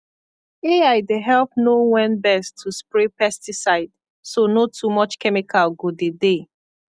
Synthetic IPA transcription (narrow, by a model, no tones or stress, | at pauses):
eaɪdeɦɛlp̚nowɛ̃nbɛstʰːuspɹepɛstisaɪd | sonotʰumɔt͡ʃkɛmikʰalɡodede